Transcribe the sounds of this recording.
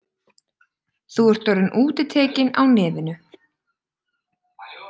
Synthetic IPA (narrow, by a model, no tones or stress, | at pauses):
θuɛɾ̥t̪œɾʏnʔuːt̪ɪt̪ʰeːcɪna̰wnɪːvɪnʏ